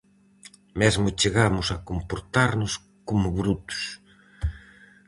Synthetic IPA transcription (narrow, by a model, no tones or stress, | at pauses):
mɛzmʊt͡ʃeɣamʊsɐkompoɾt̪aɾnʊs | komʊβɾut̪ʊ̥s